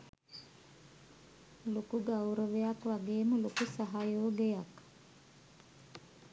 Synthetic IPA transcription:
lokuɡawɾəʋejakʋaɡeːməlokusaɦajoːɡejak

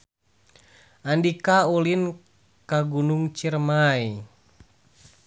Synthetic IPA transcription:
ʔandikaulin | kaɡunuŋt͡ʃirmaj

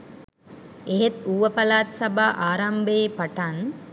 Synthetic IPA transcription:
eɦet̪uːʋəpalaːt̪sabaʔaːɾambəepaʈan

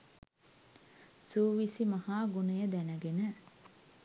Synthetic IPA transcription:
suːʋisimɐhaːɡunəjəd̪ænəɡenə

